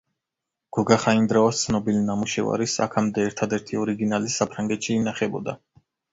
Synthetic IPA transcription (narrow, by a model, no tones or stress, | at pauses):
ɡ̥ɔɡaχaind̪ɾaɔst̪sʰnɔbilinamuʃɛva̰ɾisa̰kʰamd̪ɛːɾt̪ʰad̪ɛɾt̪ʰiɔɾiɡinalisapʰɾaŋɡɛt̪ʃiːnaχɛbɔ̰d̪a